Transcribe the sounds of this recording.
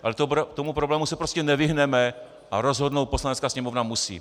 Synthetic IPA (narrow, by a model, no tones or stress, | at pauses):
ʔalɛt̪obɾot̪omupɾoblɛːmusɛpɾo̞scɛnɛvɪɦnɛmɛ | ʔaɾo̞zɦo̞dnowt̪̚po̞slanɛtt͡skaːsɲɛmo̞vnamusḭː